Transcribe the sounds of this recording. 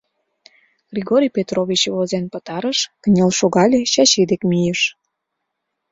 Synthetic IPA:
ɣ̥rʲiɣoɾʲijpʲet̪roβʲit͡ɕβozenpət̪ɑɾəʃkənʲelʃoɣɑlʲet͡ɕɑt͡ɕid̪ekmijeʃ

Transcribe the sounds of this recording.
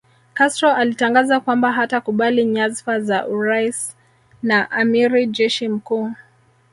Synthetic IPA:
kastɾɔʔalitaŋɡazakwambaɦatakuɓaliɲazfazaʔuɾais | naʔamiɾid͡ʒɛʃim̩kuː

